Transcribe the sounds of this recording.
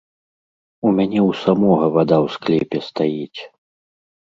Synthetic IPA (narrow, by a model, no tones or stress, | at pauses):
umʲanʲɛwsamɔɣɐvad̪awsklʲɛpʲɛst̪ajit͡sʲ